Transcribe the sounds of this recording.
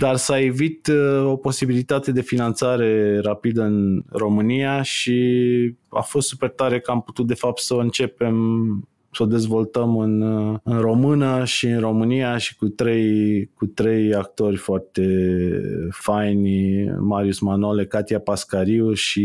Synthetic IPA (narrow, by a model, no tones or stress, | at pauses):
d̪arsaevit̪o̞po̞sibilit̪at̪e̞d̪e̞finant̪saɾe̞ɾapid̪əɨnro̞mɨnijaʃi | a̰fost̪supe̞rt̪aɾekəamput̪ut̪̚d̪e̞fap̚t̪səɨnt͡ʃe̞pe̞m | səod̪e̞zvo̞lt̪əmɨnɨnro̞mɨnəʃiɨnro̞mɨnijaʃi̥kut̪ɾe̞jkut̪ɾe̞jak̚t̪o̞rʲfoart̪e̞ | fajnʲmaɾiusmanolekat̪japaskaɾiuʃi